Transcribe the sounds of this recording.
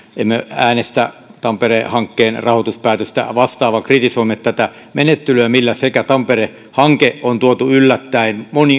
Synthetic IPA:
emːeæːnest̪æ̰t̪ɑmperehɑŋkːeːnrɑhot̪uspæːt̪øst̪æ̰ʋɑst̪ɑːʋɑkrit̪isoimːet̪æt̪æ | menet̪ːelyæmilːæsekæt̪ɑmpere | hɑŋkeʔont̪uot̪uylːæt̪ːæenmoni

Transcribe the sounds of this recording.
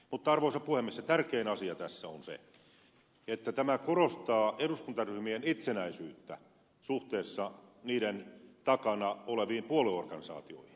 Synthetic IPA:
mut̪ːɑɑrʋoisɑpuhemːiset̪ærkeːnɑsiɑt̪æsːæonsḛ | et̪ːæt̪æmækorost̪ɑːeɾuskunt̪ɑryhmienit̪senæisyːt̪ːæ̰ | suht̪eːsːɑniːɾent̪ɑkɑnɑoleʋiːmpuoliorkɑnisɑ̰ːt̪io̰ihin

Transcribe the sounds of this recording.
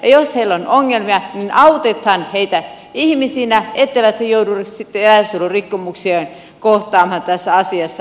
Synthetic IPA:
jɑjosheilːonoŋːelmiɑninɑut̪et̪hɑnheit̪æ | ihmisiːnæet̪ːeʋæt̪hejouduresit̪ːeelæsulurikːomuksien | koht̪ɑːmhɑt̪æsːæɑsiɑsːɑ

